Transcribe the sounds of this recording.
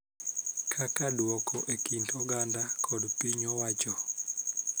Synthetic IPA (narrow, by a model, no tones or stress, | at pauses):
kʰakadwɔkʰɔʔekintʰɔɡandakʰɔdpiɲɔwat͡ʃɔ